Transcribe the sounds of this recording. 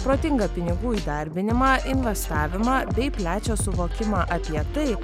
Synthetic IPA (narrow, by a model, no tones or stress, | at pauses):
pɾoːt̪ʲɪŋɡɐpʲɪnʲɪɡuːiːd̪ɐɾʲbʲɪnʲɪmɑːʔɪnʲʋʲɛst̪ɑːʋʲɪmɑːbʲɛɪpʲlʲæːt͡ʃʲoːsʊʋoːkʲɪmɑːʔɐpʲiɛt̪ɐɪ